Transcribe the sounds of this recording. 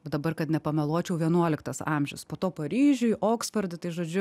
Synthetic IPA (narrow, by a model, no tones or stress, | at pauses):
d̪ɐbɐrkɐt̪nʲɛpɐmʲɛlˠoːt͡ʃʲɛʊʋʲiɛnuɔlʲɪkt̪ɐsɑ̰mʲʒʲɛʊspoːt̪oːpɐɾʲiːʒʲʊʔoːksfɐrʲd̪ʲɪt̪ɐɪʒoːd͡ʒʲʊ